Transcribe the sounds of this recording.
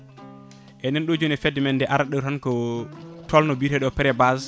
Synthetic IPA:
ʔɛnɛnɗod͡ʒonɛfɛdimɛndɛʔaɾaɗɔɾhankɔtʰɔlnɔbiɾɛɗɔpɛɾɛbaz

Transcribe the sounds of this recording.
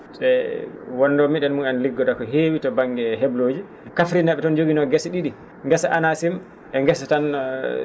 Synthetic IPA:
sɛwɔnːdɔmiɗɛnmunanliɡːɔdakɔɦewitɔbaŋɡɛɦebloːd͡ʒi | kafɾinaɓɛtɔnd͡ʒoɡinɔɡɛsɗiɗi | ŋɡɛsaʔanasim | ʔɛŋɡɛsatan

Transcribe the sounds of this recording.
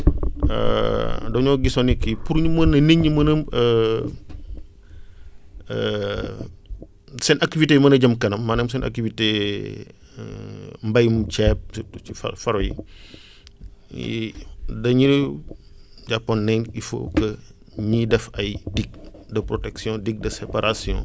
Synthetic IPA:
ə̰dɔɲɔːɡisɔnikːipuɾɲumɐnːɐniɲːimɐnɐmə | sɛnʔɐk̚tiviteːmɐnɐɟɐmkɐnɐmːaːnɐmsɛnʔɐ̰k̚tivite | mbɐjmt͡ʃɛːp̚ifɐ̰fɐɾɔjḭ | dɐɲi | d͡ʒapːɔnːɛŋifo̰kɐ | ɲidɛfɐjdiɡ̚dɐpɾɔtɛksjɔ̃dik̚dɐsɛpaɾasjɔ̰̃

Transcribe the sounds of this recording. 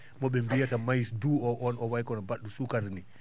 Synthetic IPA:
mɔɓɛmbijatamajsduːɔʔɔnɔwajkɔnabaɗːusukaɾni

